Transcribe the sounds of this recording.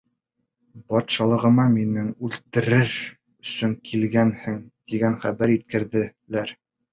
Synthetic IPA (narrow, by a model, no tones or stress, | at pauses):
bɒt̪ʃɑlˠɤ̆ʁɤ̆mɑminɘŋʉlt̪ɘ̆ɾɘɾ | ɵ̆sɵŋkʰilɡænhɘŋd̪̥iɡænχæbæɾit̪̚kɘ̆ɾðɘ̆læɾ